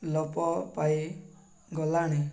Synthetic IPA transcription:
lɔpɔpai | ɡɔlaɽ̃i

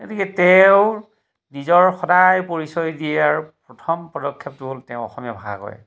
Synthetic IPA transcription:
kotikɛtɛʊ | nizɔɹxɔdajpoɹisɔjdiɛaɹupɹɔtʰɔmpɔdɔkʰːɛp̚tuboltɛʊɔ̰xɔmijabʱaa̰kɔ̰ɹjɛ̰

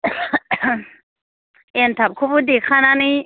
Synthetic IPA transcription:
ent̪ʰap̚kʰubudekʰanani

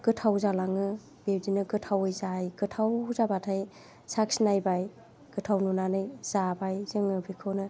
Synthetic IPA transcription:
kɯtʰawzalaŋɯ | b̥ebdinɯkɯtʰawɯjzajkɯtʰawzabatʰaj | saksnajbaj | kɯtʰawnunanɯjz̥abajzɯŋɯbikʰɯwnɯ

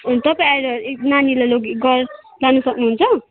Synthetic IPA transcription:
t̪ʌpaiaɾenanilaloɡiɡʌr | lanusʌknuɦunt͡sʰʌ

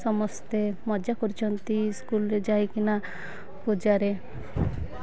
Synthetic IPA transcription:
sɔmɔst̪emɔd͡ʒakɔɾit͡ʃʰɔnt̪iskulɾed͡ʒajkina | pud͡ʒaɾe

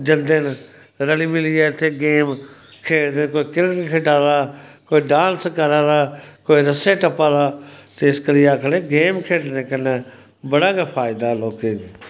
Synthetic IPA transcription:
d͡ʒənd̪eːn | ɾəliːmɪliːɛːt̪ʰeːɡeːmkʰeːɽd̪ẽkoːiːkɪɾkkʰeːʈaːɾaːkoːiːɖãːnskəɾaːɾaːkoːiːɾəseːʈəpaːɾaːt̪eɪskəɾiaːkʰɽeːɡeːmkʰeːɽnẽːkənẽː | bəɽaːkaːpʰaːɪd̪aːloːkeː

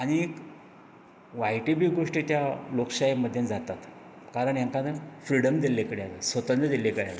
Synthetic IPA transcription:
aɽ̃ik | ʋajʈibiɡoʂʈit̪jalokɕajiməd̪ʱːjend͡zat̪at̪ | kaɾəɳjaŋkanəfɾiɽəmd̪ilːekəɽealasʋət̪ənd̪əd̪ilːekəɽealə

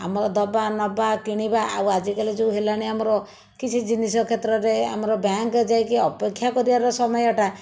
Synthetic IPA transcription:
a̰mɔɾɔd̪ɔbanɔbakiɽ̃ibaʔa̰wad͡ʒikaled͡ʒeũɦelañiamɔɾɔ | kit͡ʃʰid͡ʒinis̬ɔkʰet̪ɾɔɾea̰mɔɾɔbaŋkd͡ʒajkiɔpekʰːjakɔɾibaɾɔsɔmɔjɔʈa

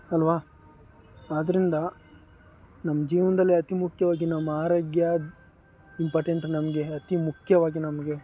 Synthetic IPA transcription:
ɐlʋaː | aːd̪ɐɾind̪ɐ | nɐmːɐd͡ʒiːʋɐnd̪ɐlːiɐt̪imukʰjɐʋaːɡinɐmːɐaːɾoːɡjɐ | impɐːʈeɳʈnɐmɐɡe̞ɐt̪imukʰjɐʋaːɡinɐmɐɡe̞

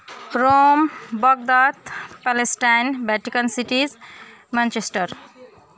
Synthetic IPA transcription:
ɾombʌɡ̚d̪at̪palesʈajnbaʈikənsiʈiz | mãnt͡ʃesʈəɾ

